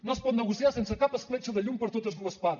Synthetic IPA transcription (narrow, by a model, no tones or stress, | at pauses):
nospɔt̪nəɣusiasensəkapəsflɛt͡ʃəðəʎumpəɾt̪ot̪əzðuəspað